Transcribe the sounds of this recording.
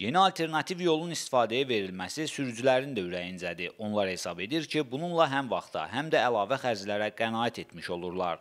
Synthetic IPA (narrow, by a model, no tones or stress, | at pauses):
je̞niɑlˠt̪ʰe̞ɾnɑt̪ʰivjo̞lˠunist̪i̥fɑːd̪æjæve̞ɾilmæsisyɾd͡ʒylæɾind̪æyɾæjind͡ʒæd̪iʔo̞nlˠɑɾhe̞sɑbe̞d̪iɾcʰibununlˠɑɦæmvɑχt̪ʰɑ̰ɦæmd̪æːlˠɑːvæχæɾzlæɾæɡ̥ænɑːæt̪ʰe̞t̪ʰmiʃo̞lˠuɾlˠɑɾ